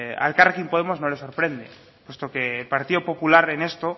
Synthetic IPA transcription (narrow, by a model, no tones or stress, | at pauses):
a̰lkaɾkimpo̞ð̞emo̞zno̞le̞so̞ɾpɾe̞nd̪ḛ | pwe̞st̪o̞ke̞ːlpaɾt̪iðopo̞pulaɾene̞st̪o̞